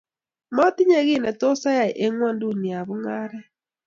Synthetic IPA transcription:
mɔ˦ti˦ɲɛ˦˨ɣi˦˨nɛ˨to˦sa˦ja˨ʔe˦ŋwɔ˦ndu˦˨ni˨a˨βu˦ŋa˦ɾɛ˦

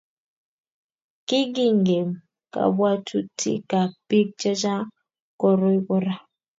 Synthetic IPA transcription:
ki˦ɡi˦ŋɡe˨m | ka̰˨bwa˦tu˦tʰḭ˦ka˨b̥i˦k̚d͡ʒa˦d͡ʒa˦ | kɔ˨ɾo˦i˦bɔ˦ɾa˦

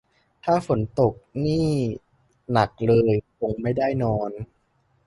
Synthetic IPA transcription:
t̪ʰaː˥˩fo˩˦nt̪o˨˩k̚niː˥˩ | na˨˩k̚lɤː˧jko˧ŋma˥˩jdaː˥˩jnɔː˧n

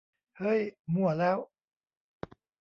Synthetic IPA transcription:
hɤː˧˥˩jmu˧˩ɐlɛː˦˥w

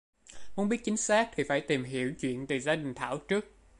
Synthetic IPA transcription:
mu˧˥ənɓi˦˥ət̚t͡ɕï˨˦ŋ̟saː˦˥k̚t̪ʰi˨˩faː˧˩jt̪i˨˩mɦḭ˧˨əwt͡ɕwḭ˧˨ənt̪ɨ˨˩zaː˧ɗï˨˩ŋ̟t̪ʰa̰ː˧˩wt͡ɕɨ˦˥ək̚

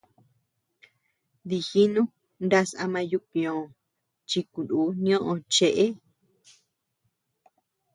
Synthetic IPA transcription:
d̪i˧˨xi˦nũ˦ | nda˦sa̰˧mã˧ju˧kõ˨ | t͡ʃi˧ku˨ndu˨˦nĩ˦õ˦ʔõ˧t͡ʃe˧ʔe˦

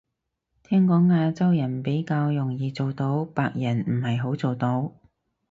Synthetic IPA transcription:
t̪ʰɛː˥ŋkɔː˨˥ŋːaː˧t͡sɐ˥wjɐ˨˩npe˨˥jkaː˧wjʊ˨˩ŋjiː˨˧t͡so˨wt̪o˧˥wpaː˧k̚jɐ˨˩nm̩˨˩hɐ˨jɦo˨˥wt͡so˨wt̪o˧w

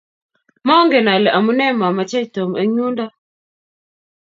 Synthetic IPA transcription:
mɔ˦ŋɡɛ˨na˨lɛ˨ʔa˨mu˦nɛ˦ma˨ma˨t͡ʃa˦i˨to˨m˨e˦ɲu˦nda˦

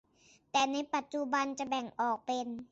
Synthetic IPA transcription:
t̪ɛː˨˩na˧˥jpa˨˩t̪̚t͡ɕu˧ba˧nt͡ɕa˧˩bɛ˨˩ŋʔɔː˨˩k̚pe˧n

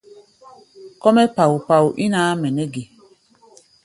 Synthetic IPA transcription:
kɔ˦mɛ˦pa˨wu˨pa˨wu˨ʔi˦naː˦mɛ˨nɛ˦ɡi˨

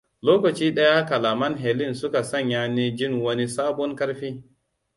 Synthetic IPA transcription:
loː˦kɐ˨t͡ʃiː˦ɗɐ˦ja˦ka˨laː˨mɐ˦nɦe˨lɪ˦nsʊ˦ka˨sɐ˦˨ɲjaː˦ni˦d͡ʒɪ˦ŋwɐ˦ni˦saː˦bɔ˦ŋkɐ˦ɽɸiː˦

